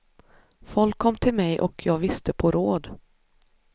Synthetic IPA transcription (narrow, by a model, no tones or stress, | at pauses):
fɔlkʰːɔmːt̪ʰɪlmɛjʔɔ̰kʰjɑːɡvɪst̪əpʰɔɾoːd̪